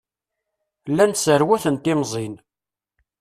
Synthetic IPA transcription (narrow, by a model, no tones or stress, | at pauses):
lːænsəɾwæθənt̪ɪmzˤin